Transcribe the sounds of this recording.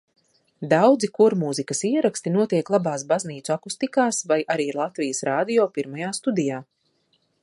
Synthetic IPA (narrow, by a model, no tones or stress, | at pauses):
d̪awd̪zikuɾmuzikɐsiɛɾakst̪inuɔt̪iɛklˠabaːsbazniːt̪suakust̪ikaːsvajʔaɾiːɾlˠat̪vijəsɾaːd̪ijɔːpiɾmajaːst̪ud̪ijaː